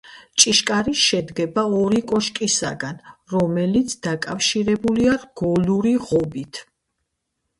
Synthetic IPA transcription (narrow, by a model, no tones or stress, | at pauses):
t͡ʃʼiʃkʼaɾiʃɛd̪ɡɛbaɔɾikʼɔʃkʼisa̰ɡanɾɔmɛlit̪sʰd̪̥akʼafʃiɾɛbuliaɡ̥ɔluɾiʁɔbit̪ʰ